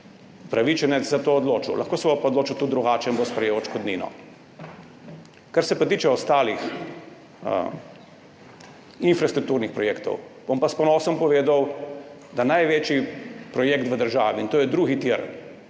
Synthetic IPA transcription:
upɾaʋit͡ʃɛnɛt͡s̪zat̪oːd̪loːt͡ʃṵlʔa̰xkoːsɛbɔpaɔd̪loːt͡ʃut̪ud̪ɾuɡaːt͡ʃɛnbospɾɛjeowʃkɔd̪niːnɔ̰ | kaɾsɛpat̪iːt͡ʃɛɔst̪aːlix | infɾast̪ɾuk̚t̪uːɾnixpɾɔjeːkt̪ɔ̰wb̥ompaspɔnɔːsɔmpɔʋeːd̪awd̪anajʋeːt͡ʃipɾɔjeːkt̪ʋəd̪əɾʒaːʋiint̪oːjɛd̪ɾuːɣit̪iɾ

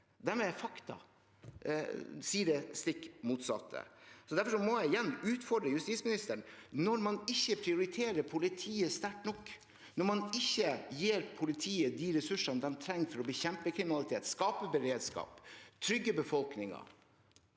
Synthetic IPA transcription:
d̪æɾmɛfɑkt̪ɑ̰ | siːəɖɛst̪ɪkːmuːt̪sɑ̰t̪ʰːə̰sɔd̪æɾfɔʂɔmɔjæɪɪjɛnːʉːt̪fɔɖɾəjʉst̪iːt̪smɪnɪst̪əɳnɔɾmɑnɪçːəpʰɾɪʊɾɪt̪ʰeːɾəpʰʊlɪt̪ʰiːəst̪æʈnɔkː | nɔɾmɑnɪçːəjeːɾpʰʊlɪt̪ʰiːəd̪iːɾɛsʉʂɑnd̪ɛnt̪ʰɾɛŋːfɔɾɔbəçɛmpəkʰɾɪmɪnɑlɪt̪ʰeːt̪skɑːpəbəɾeːd̪skɑ̰ːpt̪ʰɾʏɡːəbəfɔlknɪŋɑ̰

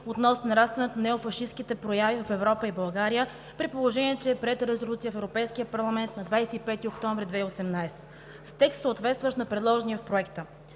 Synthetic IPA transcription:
ot̪nɔsnnɐɾast̪vɛnot̪onɛofɐʃiskit̪ɛpɾojavivəfɛvɾɔpəibɐlˠɡaɾijə | pɾipolˠoʒɛniɛt͡ʃɛːpɾɛt̪ɾɛzolʲut̪sijəfɛvɾopɛjsk̟ijəpɐɾlˠɐmɛnt̪nɐd̪vajsɛipɛt̪iokt̪ɔɱvɾid̪vɛiosɛmnajsɛ̥t̪ | st̪ɛkst̪səːt̪vɛt̪st̪vəʃnɐpɾɛd̪lˠɔʒɛniəfpɾoɛkt̪ə

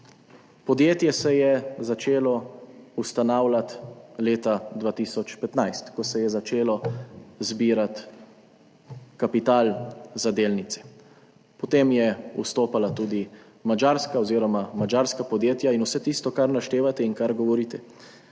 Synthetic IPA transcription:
pɔd̪jeːt̪jɛsɛjɛzat͡ʃeːlɔust̪anaːwlat̪leːt̪ad̪ʋaːt̪isɔt͡ʃpɛt̪najst̪kɔsɛjɛzat͡ʃeːlɔzbiːɾat̪ | kapit̪aːlzad̪eːlnit̪sɛ̥ | pɔt̪emjɛust̪oːpalat̪uːd̪i | mad͡ʒaːɾskaɔziːɾɔmamad͡ʒaːɾskapɔd̪jeːt̪jainusɛt̪iːst̪ɔkaɾnaʃt̪eːʋat̪ɛinkaɾɡɔʋɔɾiːt̪ɛ

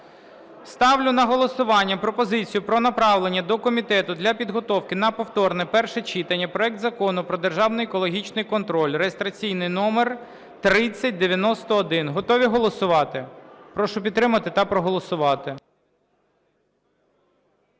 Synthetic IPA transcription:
st̪ɑwlʲʊnɐɦɔlˠɔsʊʋɑnʲːɐpɾɔpɔzɪt͡sʲijʊpɾɔnɐpɾɑʋlˠenʲːɐd̪ɔkɔmʲit̪ɛt̪ʊd̪lʲɐpʲid̪ɦɔt̪ɔwkɪnɐpɔwt̪ɔrnɛpɛrʃɛt͡ʃit̪ɐnʲːɐpɾɔɛk̚t̪zɐkɔnʊpɾɔd̪erʒɑwnɪjekɔlˠɔɦʲit͡ʃnɪjkɔnt̪ɾɔlʲrejest̪ɾɐt͡sʲijnɪjnɔmer | t̪ɾɪt͡sʲːɐt̚ʲd̪eʋʲjɐnɔst̪ɔːd̪ɪnɦɔt̪ɔʋʲiɦɔlˠɔsʊʋɑt̪ɪpɾɔʃʊp̬ʲid̪t̪t̪ːɾɪmɐt̪ɪt̪ɐpɾɔɦɔlˠɔsʊʋɑt̪ɪ

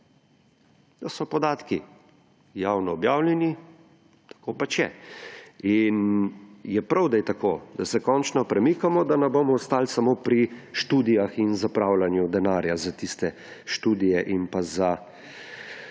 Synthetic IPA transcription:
d̪asɔpɔd̪aːt̪ki | jaːwnɔːbjaːwljɛni | t̪ḁkoːpat͡ʃjɛ | in | jɛpɾawd̪ajt̪akoːd̪̥asɛkɔnt͡ʃnɔpɾɛmikamɔd̪anɛbomɔɔst̪aːlsamoːpɾiʃt̪uːd̪ijaxinzapɾaːwlanjud̪ɛnaːɾjazat̪ist̪ɛ | ʃt̪uːd̪ijɛʔinpaza

